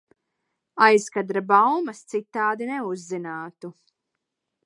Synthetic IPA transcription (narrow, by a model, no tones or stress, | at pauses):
ajskad̪ɾabawmɐst̪sit̪ːaːd̪ineuzːinaːt̪u